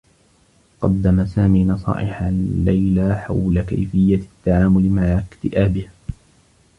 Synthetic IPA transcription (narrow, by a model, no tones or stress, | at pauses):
qɑd̪ːamasaːmiːnɑsˤɑ̰ːʔɪħalːajlaħa̰wlaka̰jfɪjːat̪ːaʕaːmʊlmaʕakt̪ɪʔaːbɪh